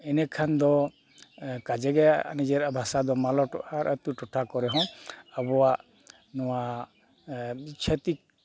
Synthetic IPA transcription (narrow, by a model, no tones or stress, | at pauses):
ɛnɛkʰand̪ɔ | kad͡ʒɛɡɛa̰nid͡ʒɛɾabʱasad̪ɔmalɔʈaɾʔət̪uʈɔʈʰakɔɾɛɦɔ̃abɔwaʔ | nɔwa | t͡ʃʰət̪ik̚